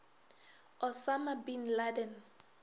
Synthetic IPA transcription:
ɔsamabinladɛn

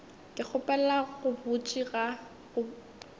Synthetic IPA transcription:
kʼɪk͡xʰʊpʼɛlɛlaɣʊbʊt͡ʃʼiɣa | ɣʊ

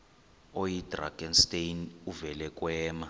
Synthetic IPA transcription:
ojid̥ra̰ɡ̥ɛnstejnuvɛlɛkʼwɛːma

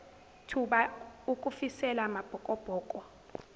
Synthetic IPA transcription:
tʰuɓaukʼufisɛlamab̥ʱɔkʼɔb̥ʱɔːkʼɔ

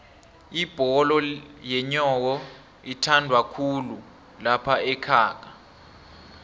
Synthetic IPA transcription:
ib̥ʱɔlɔjɛɲɔk̬ɔ | itʰandʱwakʰulu | lapʰaɛkʰaːk̬a

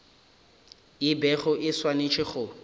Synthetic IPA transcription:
ɪbɛχʊʔɪswanet͡ʃʰɪχʊ

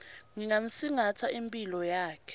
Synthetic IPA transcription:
ŋiŋam̩siŋatʰaʔimpʼilɔjaːkʰɛ̥

